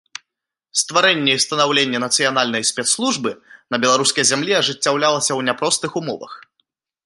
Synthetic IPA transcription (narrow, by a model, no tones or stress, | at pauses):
st̪vaɾɛnʲːɛjst̪ɐnawlʲenʲːɛnɐt̪sɨjanalʲnɐjsʲpʲɛt̪slˠuʐbɨnɐbʲɛlˠaɾuskɐjzʲamlʲiɐʐɨt͡sʲːawlʲalˠɐsʲɐwnʲapɾɔst̪ɨxumɔ̰vɐ̰x